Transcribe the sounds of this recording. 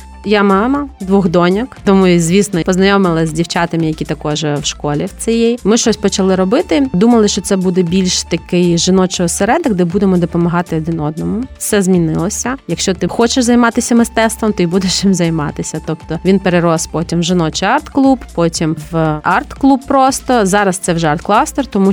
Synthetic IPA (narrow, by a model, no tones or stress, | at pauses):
jamɑmɐd̪ʋɔɣd̪ɔnʲɔkt̪ɔmuizʲʋʲisnɔpɔznɐjɔmɪlˠɐzʲdʲiwt͡ʃɑt̪ɐmɪjɐkʲit̪ɐkɔʒɛwʃkɔlʲiwt͡sʲijɛjmɪʃt͡ʃɔsʲpɔt͡ʃɐlˠɪɾɔbɪt̪ɪd̪umɐlˠɪʃt͡ʃɔt̪sɛbud̪ɛbʲilʲʃt̪ɐkɪjʒɪnɔt͡ʃɔɔsɛɾɛd̪ɪɡd̪ɛbud̪emɔd̪ɔpɔmɐɦɑt̪ɪɔd̪ɪnɔd̪̚nɔmʊfsɛzmʲinɪlˠɔsʲɐjɐkʃt͡ʃɔt̪ɪxɔt͡ʃeʃzɐjmɑt̪ɪsʲɐmɪst̪ɛst̪ʋɔmt̪ɔibud̪eʃjɪmzɐjmɑ̰t̪ɪsʲɐt̪ɔpt̪ɔʋʲinpeɾeɾɔspɔtʲimʒɪnɔt͡ʃɪɑrt̪klˠuppɔtʲimʋɑrt̪klˠupːɾɔst̪ɔzɑɾɐst̪sɛwʒɛɐrt̪klˠɑst̪ɛrt̪ɔmu